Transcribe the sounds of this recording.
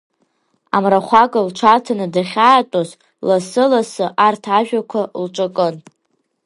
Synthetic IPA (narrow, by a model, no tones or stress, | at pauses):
a̰mraχʷakʼɨlʈ͡ʂʷʰatʰanɨdaχʲaːtʼoz | lasɨlasɨʔartʰaʒᶣakʷʰalʈ͡ʂʷʼakʼɨn